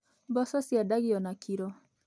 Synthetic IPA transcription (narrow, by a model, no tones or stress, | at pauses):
bɔsɔsjadaɣiɔnakʰiɾɔ